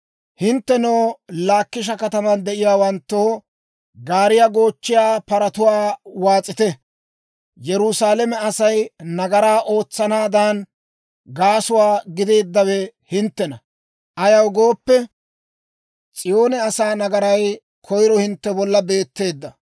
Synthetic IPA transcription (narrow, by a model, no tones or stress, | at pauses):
hɪnt̪ːɛnoːlaːkːɪʃ̬ɐkɐt̪ɐmɐnd̪ɛʔɪjaːwɐnt̪ːoː | ɡaːɾɪjaɡo̞ːt͡ʃːɪjaːpɐɾɐt̪ʊwaːwaːt͡sʼːɪt̪ɛ | jɛɾʊsaːlɛmɛɐsɐjnɐɡɐɾaːʔo̞ːt͡sːɐnaːd̪an | ɡaːsʊwaːɡɪd̪e̞ːd̪ːɐwɛhɪnt̪ːɛnɐ | ʔɐjɐwɡoːpːɛ | t͡sʼɪjo̞ːnɛɐsaːnɐɡɐɾɐj | kʰɔjɾɔhɪnt̪ːɛbɔlːɐbe̞ːt̪ːe̞ːd̪ːɐ